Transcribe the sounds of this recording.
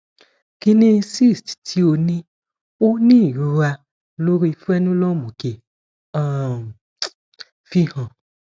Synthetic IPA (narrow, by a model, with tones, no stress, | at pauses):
ki˧nĩ˦˧si˦˨sttʰi˨˦o˧nĩ˦ | o˦nĩ˦˨ɾu˨˦wa˧ | lo˦ɾi˦˧fu˦ɛ˦nũ˦lɔ˦˨mũ˨ke˨ | ã˦˨ | fi˦hã˧